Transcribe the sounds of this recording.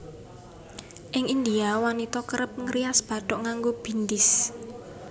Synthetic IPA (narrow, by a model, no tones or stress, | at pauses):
ʔɪŋind̪iawanit̪ɔkəɾəp̚ŋəɾiasb̥ä̤ɖ̪̥ɔʔŋaŋɡob̥i̤nd̪ɪs